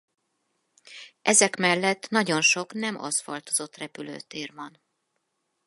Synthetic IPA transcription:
ʔɛzɛkmɛlːɛt̪ːnɒɟo̞nʃo̞knɛmɒ̰sfɒ̰lt̪ozo̞t̪ːrɛpylø̰ːt̪eːrvɒn

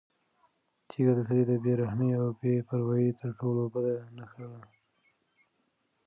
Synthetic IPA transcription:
t͡ʃʰiɡad̪əsaɾed̪əbeɾahneawbepəɾwajet̪əɾʈowlobad̪anaxla

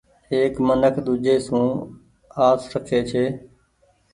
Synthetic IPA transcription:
ɦeːkmənəkʰd̪ʊd͡ʒeːsũː | aːsɾəkʰeːt͡ʃʰeː

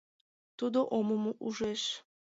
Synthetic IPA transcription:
t̪ud̪oʔomomoʔuʒeʃ

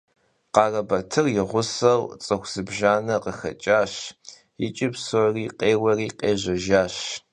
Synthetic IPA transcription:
qɑːrɐbɐtʰɨrjɪʁʷʊsɐwt͡sʼɐxʷsɨbʒaːnɐqəxɐ̰t͡ʃʼaːɕ | jɪ̰t͡ʃʼɪpsoriːqeːwɐriːqeːʑɐʒaːɕ

